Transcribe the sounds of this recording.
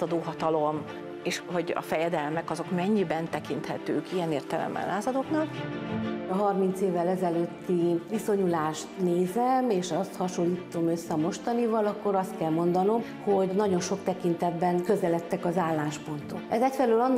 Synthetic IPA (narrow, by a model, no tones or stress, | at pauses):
ɒd̪oːɦɒt̪ɒlo̞m | eːʃho̞ɟɒ̰fɛjɛd̪ɛlmɛkɒzo̞kmɛɲːibɛnt̪ɛkint̪hɛt̪øːkijɛneːrt̪ɛlɛ̰mːɛ̰nlaːzɒd̪oknɒk | ɒɦɒrmint̪seːvːɛlɛzɛløt̪ːiʋiso̞ɲulaːʃt̪neːzɛmeːʃɒst̪hɒʃolːiːt̪o̞mø̞sːɛɒmo̞ʃt̪ɒnivɒlɒkːo̞ɾɒst̪̚kɛlmo̞nd̪ɒno̞m | ho̞ɟnɒɟo̞nʃo̞kt̪ɛkint̪ɛd̪bɛnkø̞zɛlɛt̪ːɛkɒzaːlːaːʃpo̞nt̪onɛzɛcfɛløːlɒnː